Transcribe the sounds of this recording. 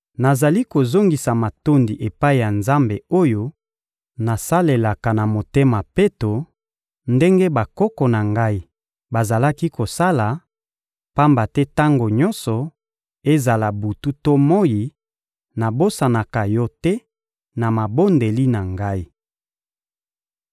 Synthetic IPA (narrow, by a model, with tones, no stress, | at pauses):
na˨za˨li˦ko˨zo˦ŋɡi˨sa˨ma˨to˦ndi˨ʔe˨pa˦i˨ja˨nza˦mbe˨o˦jo˦ | na˨sa˦le˨la˨ka˨na˨mo˨te˦ma˨pe˦to˨ | nde˦ŋɡe˦ba˨kɔ˦kɔ˨na˨ŋɡa˦i˦ | ba˨za˨la˦ki˦ko˨sa˦la˨ | pa˦mba˨tɛ˦ta˦ŋɡo˨ɲɔ˦nsɔ˨ | e˦za˨la˨bu˨tu˦to˦mɔ˦ji˨ | na˨bo˦sa˨na˨ka˨jɔ˦tɛ˦ | na˨ma˨bo˦nde˨li˦na˨ŋɡa˦i˦